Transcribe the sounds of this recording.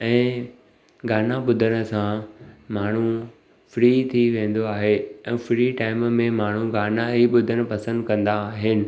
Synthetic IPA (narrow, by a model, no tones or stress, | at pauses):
ɛ̃ː | ɡaːnaɓʊd̪ʱəɽ̃ə̆sãmaːɳ̤u | fɾiːt̪ʰiʋẽːn̆d̪oaːɦeɛ̃ːfɾiːʈaːɪmmẽmaːɳ̤uɡaːnaɦiɓʊd̪ʱəɽ̃̆pɐsə̃nd̪kɐ̃nd̪aːɦɪnɪ̆